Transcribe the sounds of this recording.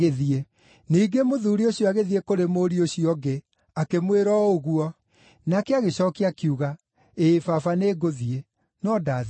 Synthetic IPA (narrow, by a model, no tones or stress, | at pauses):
eðie | niːɡemoðuːɾioɕijɔaɣeðiekoɾemoɾioɕiɔɡe | akemweɾɔoɣuɔ | nakɛaɣeɕɔkiakiuɣa | eːfafaneːɡoðie | nɔdað